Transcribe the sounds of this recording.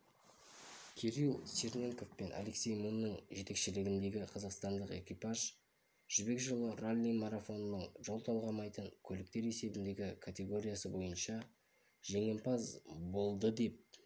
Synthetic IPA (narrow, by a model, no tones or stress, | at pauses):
kʲʰeɾilˠsʲernʲe̞ŋko̞fpe̞nʔa̰le̞ksʲejmunːəɴʒe̞t̪e̞kʃɪlɪɡʲɪnd̪e̞ɡʲɪqʰɑzɑqst̪ɑnd̪əqe̞̰kʲipɑʒ | ʒ̥ʏbe̞kʒəlˠərolʲːimaɾafo̞nnːəɴʒo̞lˠt̪ʰɑlˠʁɑmɑjt̪əɴkʲʰɵlɪk̚t̪e̞ɾe̞se̞bɪnd̪e̞ɡʲɪkʰat̪ʲe̞ɡo̞ɾʲijasəbo̞jənʃɑ | ʒe̞ŋe̞mpɑzbo̞lˠd̪əd̪e̞p̚